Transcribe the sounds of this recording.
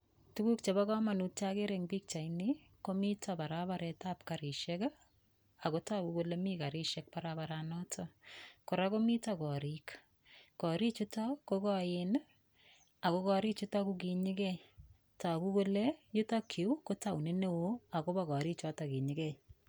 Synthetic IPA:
tu˦ku˦kt͡ʃe˨bakɔ˦ma˨nu˦t̚t͡ʃa˦ke˦ɾeŋbi˦k̚t͡ʃa˨ini | ko˦mi˦tapa˨ɾaβaɾɛ˨tapkaɾɪ˨ʃɛka | a˨ko˦ta˦ku˦ko˦lemika˨ɾɪ˦ʃɛk̚paɾabaɾanɔ˦tʰɔko˨ɾa˦ko˦mi˦takɔ˨ɾik | kɔ˨ɾi˦t͡ʃʊ˦ta˦kokɔjɪn | a˨ko˦kɔ˦ɾi˦t͡ʃʊ˦takukiɲɪ˦kɛj | ta˨ku˦ko˦lejʊ˦ta˦kʰi˨˦kota˨wni˦ne˦wo˦a˨ko˦baɣɔ˨ɾi˦t͡ʃɔ˦ta˨ki˨ɲɪɡɛ˦j

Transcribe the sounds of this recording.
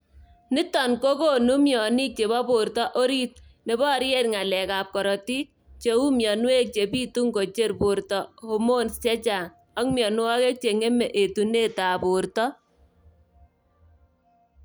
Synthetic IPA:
nɪ˦tɔ˨nko˦ko˦nu˦mjɔ˨ni˦k̚t͡ʃe˨βɔ˦bo˨rtɔ˦ʔo˦ɾi˦t̚ne˨bɔ˦˨ɾjɛ˦tŋa˨lɛ˨kaː˨p̚kɔ˨ɾɔ˨ti˦t͡ʃe˨u˦mjɔ˨nwe˦k̚t͡ʃe˨piː˦tu˦ŋɡo˨t͡ʃe˦rpu˨ɾtɔ˨ho˦mo˦nst͡ʃɛ˦t͡ʃa˨ŋ | ɔ˦ŋmjɔ˨n˦wɔ˦ke˦k̚t͡ʃe˨ŋe˦mɛ˨ʔe˨tu˨ne˦taː˨pʊ˨ɾtɔ˦

